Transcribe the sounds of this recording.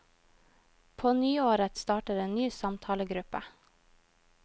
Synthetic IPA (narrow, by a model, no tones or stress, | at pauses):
pʰoːnyːoːɾət̪st̪ɑːʈəɾeːnnyːsɑmt̪ʰɑːləɡɾʉpə